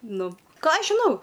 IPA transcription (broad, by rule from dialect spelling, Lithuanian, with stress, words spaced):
ˈnʊ ˈkɑː ˈɐʃ ʒʲɪˈnɐʊ